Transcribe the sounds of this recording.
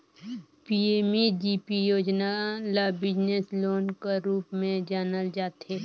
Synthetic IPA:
pieːmed͡ʒiːpijoːd͡ʒnalabɪd͡ʒnesloːnkeɾuːpmẽd͡ʒaːnəld͡ʒaːt̪eː

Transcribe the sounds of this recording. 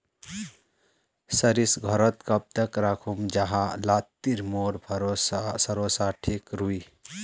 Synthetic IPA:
səɾisɡʱɔɾət̪kəp̚t̪əkɾakʰumd͡ʒaɦalat̪ːiɾmoɾbʰɾosasəɾosaʈʰikɾui

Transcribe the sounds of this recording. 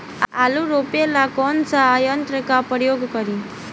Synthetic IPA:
aluɾopelakɔnsaːjənt̪ɾəkapəɾjoɡkəɾi

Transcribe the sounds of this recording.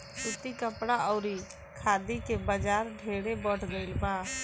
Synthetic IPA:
sʊt̪ikəpɽaɔʊɾi | kʰaːd̪ikebəd͡ʒaːɾɖʱeːɽebəʈʰɡəɪlbã

